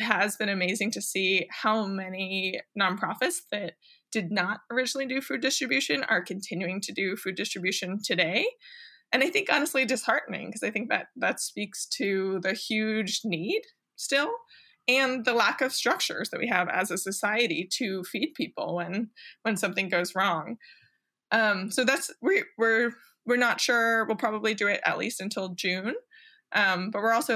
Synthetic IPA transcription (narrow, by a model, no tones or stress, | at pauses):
ɦəzbɨ̃ñɨmeɪzɪ̃ŋtʰɨsihaʊmɛninɑ̃npʰɹ̥ɑfɨtsðɨt̚ | d̥ɨdⁿnəɾə˞ɪd͡ʒn̩l̩ˠidɨfʉdɪstɹ̥ɨbjʉʃɨ̃nə̰˞kʰɨ̃n̩tʰɪ̃njʉɪ̃ŋtʰɨdɨfʉdɪstɹ̥ɨbjʉʃɨ̃ntʰɨdeɪʔɨ̃naɪθɪ̃ŋkɑnɨstˡlidɨshɑɹʔn̩ɪ̰̃ŋkʰʌzaɪθɪ̃ŋk̚ðɨ̰t̪̚ðɨtspikstʰɨðɨhjʉd͡ʒnid̥ | stɪlˠ | ɨ̃nðəlækʌv̥stɹ̥ʌk̚t͡ʃə̰˞zðɨt̚wiɨvɨ̰zɨsɨsaɪɨɾiɾɨfid̚pʰipl̩ˠwə̃nwɨ̃nsʌ̃mθɪ̃ŋɡoʊzɹɔ̃ŋ | ʔʌ̃msoʊðætswɪwɪɹ | wɨɹnətʃʊɹwɪlˠpʰɹ̥ɑbəblidɨɪɾɨ̰tˡlḭstɨ̃ntʰɪlˠd͡ʒʉ̃n | ʔʌ̃mb̥ʌt̚wɪɹɔlˠsoʊ